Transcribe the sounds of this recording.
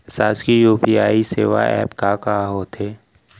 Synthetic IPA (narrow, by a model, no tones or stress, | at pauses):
saːskijuːpiaːiseːʋa̰ɛ̰ːpkakaɦoːt̪ʰeː